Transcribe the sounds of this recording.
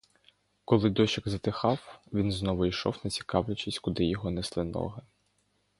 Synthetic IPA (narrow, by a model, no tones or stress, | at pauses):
kɔlˠɪd̪ɔʃɪɡzɐt̪ɪxɑwʋʲinznɔʋʊiʃɔwnɐt͡sʲi̥kɑwlʲɐt͡ʃisʲkʊd̪ɪjɔɦɔneslˠɪnɔ̰ɦɐ